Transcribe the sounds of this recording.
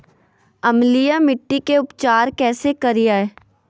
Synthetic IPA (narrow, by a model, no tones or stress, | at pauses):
ɐmlijamɪʈːikeʊpt͡ʃaːɾkɛːsekɐɾijaeː